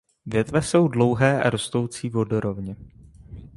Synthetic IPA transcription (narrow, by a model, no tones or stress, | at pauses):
vjɛt̪vɛso̞wdlo̞wɦɛːʔa̰ɾo̞st̪o̞wt͡siːvo̞do̞ɾo̞vɲɛ